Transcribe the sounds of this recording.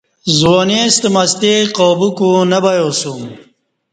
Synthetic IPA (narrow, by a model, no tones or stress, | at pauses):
zwonest̪əmast̪eqoːbukunɐbajosum